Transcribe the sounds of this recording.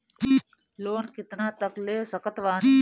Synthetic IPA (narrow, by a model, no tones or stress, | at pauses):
loːnkɪt̪naːt̪əkleːsəkət̪ʋaː